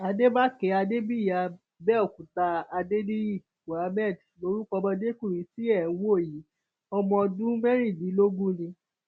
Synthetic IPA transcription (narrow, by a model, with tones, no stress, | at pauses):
a˧de˦ba˦kɛ˨˦a˧de˦bi˦˨ja˨˧ | bɛ˦ɔ˦˨kũ˨ta˧a˧de˦di˦˨ | bo˨a˨˦mɛ˦˨d | lo˧˦ɾu˦kɔ˧bɔ̃˧de˦ku˦˨ɾĩ˨˦si˦ɛ˦˨˦wo˦˨ji˨˦ | ɔ˧mɔ̃˧dũ˦mɛ˦ɾi˦˨dĩ˨˦lo˦ɡũ˦nĩ˧